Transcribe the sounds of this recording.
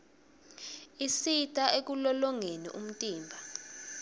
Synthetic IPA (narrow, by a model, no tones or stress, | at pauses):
isitʼaʔek̬ulɔlɔŋenḭʔum̩tʼiːmbʱa